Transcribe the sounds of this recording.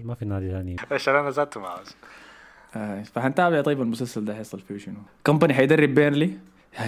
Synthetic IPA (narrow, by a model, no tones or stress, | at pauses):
mafinaːd̪iaːniʔaʃaːnʔanazaːlt̪ʊmaʕaz | ʔafaħant̪aːbɪʕt̪ɑjːɪbalmʊsalsald̪aːajesˤɑlfiʃɪnukampaniɦajd̪ɑrːɪbːeːnli